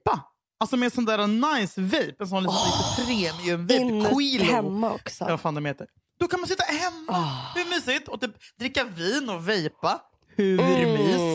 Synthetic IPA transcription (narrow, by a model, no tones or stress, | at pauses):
pa | alsɔmɛd̪sɔnd̪æːɾanajsvɛjpɛnsɔnlisɪsət̪ʰɾeːmɛjɛnvɛjkʰwiːlhɛmːaɔ̰ksɔɛvafaːnd̪ɔɛmheːt̪əɾ | d̪̥ɔkʰanmansɪt̪ːahɛmːahʉmyːsɪt̪ːɔt̪yːpd̪ɾɪkːaviːnɔvɛjpa | hʉvɾmiːs